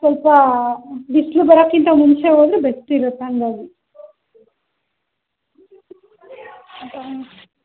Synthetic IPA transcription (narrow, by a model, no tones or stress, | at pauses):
sɔlpɐ | ɖislubɐɾoːkːint̪ɐmunt͡ʃeɦoːd̪ɾubesʈuiɾɐt̪ːeɐnd̪aːɡ̪i